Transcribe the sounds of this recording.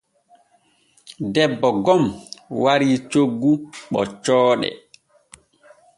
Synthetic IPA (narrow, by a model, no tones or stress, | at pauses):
dɛbːɔɡɔmwaɾit͡ʃoɡːuɓɔ̰t͡ʃɔːɗɛ̰